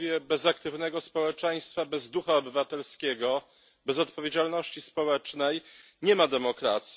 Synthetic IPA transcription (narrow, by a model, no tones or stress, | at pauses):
vjɛbɛzakt̪ɘvnɛɡɔspɔwɛt͡ʂɛj̃st̪fabɛzd̪uxaɔbɘvat̪ɛlskʲɛɡɔ | bɛzɔt̪pɔvʲjed͡ʑalnɔɕt͡ɕispɔwɛt͡ʂnɛj | ɲɛmad̪ɛmɔkɾa̰t̪sʲ